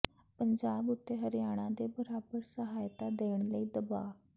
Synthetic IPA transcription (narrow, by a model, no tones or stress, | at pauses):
pəɲd͡ʒaːbʊt̪ːeːɦəɾɪjaːɽ̃ãːd̪eːbəɾaːbəɾsəɦaːjt̪aːd̪eːɳ̃ləiːd̪əbaː